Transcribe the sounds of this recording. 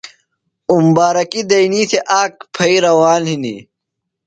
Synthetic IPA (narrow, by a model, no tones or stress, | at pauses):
umbaːɾɐkid̪ɐjnit̪ʰeʔaːk̚pʰɐiɾɐwaːnɦinḭ